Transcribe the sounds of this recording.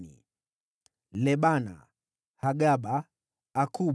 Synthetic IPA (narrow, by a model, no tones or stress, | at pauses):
nḭ | lɛɓana̰ | haɡaɓaː | ku